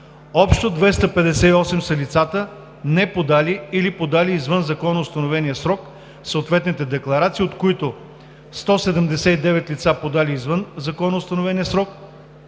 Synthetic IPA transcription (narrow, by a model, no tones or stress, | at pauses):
ɔpʃt̪od̪vɛst̪əpɛd̪ɛsɛiɔsɛmsɐlit̪sat̪ə | nɛpod̪aliilipod̪aliːzvɤnzɐkɔnost̪ɐnovɛnijəsɾɔk | soot̪vɛt̪nit̪ɛd̪ɛklˠɐɾat̪siot̪koit̪o | st̪ɔsɛd̪ɛmd̪ɛsɛid̪ɛvɛt̪lit̪sapod̪aliːzvɤnzɐkɔnɐːst̪ɐnovɛnʲiəsɾɔk̚